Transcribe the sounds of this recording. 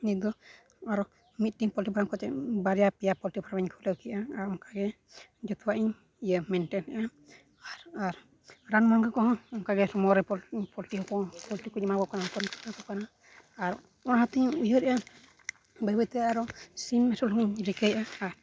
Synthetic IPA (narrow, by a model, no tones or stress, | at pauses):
nid̪ɔ | aɾɔʔ | mit̪̚ʈiŋpɔlʈipʰaɾamkʰɔt͡ʃɛbaɾɛjapijapɔlʈipʰaɾabaɲkʰuləkiʔaaɾɔŋkaɡɛ | d͡ʒɔt̪uwaʔiɲ | ijəmɛnʈɛnɛʔa | aɾaɾ | ɾanmɔnɡəkɔɦɔ̃ɔŋkaɡɛɾɔmɔɾɛpɔpɔlʈiɦɔpɔpɔlʈikɔɲamabɔkanapɔɾkɔnakɔkana | aɾ | ɔnɦat̪iɲujəɾɛʔə | bəbət̪ɛaɾɔsimːɛsɔlɔŋiɲɾikəjʔaaɾ